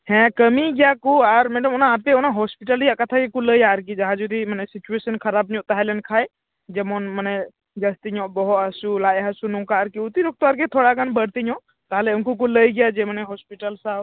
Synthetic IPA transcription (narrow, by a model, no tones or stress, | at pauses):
hɛ̃kəmiɡjakuaɾmɛɖəmɔnaɦapeɔnaɦɔspiʈəlijakət̪ʰakekuləjaːɾk̬id͡ʒaɦãd͡ʒud̪imənɛsit͡ʃuesənkʰəɾabɲɔ̃ʔt̪aɦɛlɛnkʰaj | d͡ʒɛmɔnmənɛ | d͡ʒəst̪iɲɔ̃bɔɦɔt̪ɦəsulajɦasunũkaːɾkiut̪iɾok̚t̪oaɾket̪ʰoɽaɡanbəɽt̪iɲɔ̃ʔ | t̪aɦleʊnkuk̬uləjɡjad͡ʒemənɛɦɔspiʈəlsab